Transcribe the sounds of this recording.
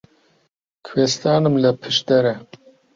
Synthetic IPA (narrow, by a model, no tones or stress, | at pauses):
kʰwest̪ɑːnɨmlɐpʰɨʃd̪ɛɾɛ